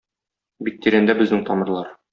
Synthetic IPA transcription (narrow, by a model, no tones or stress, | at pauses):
bik̚t̪iɾænd̪æbɘ̆znɘŋt̪ɒmɤ̆ɾlˠɑɾ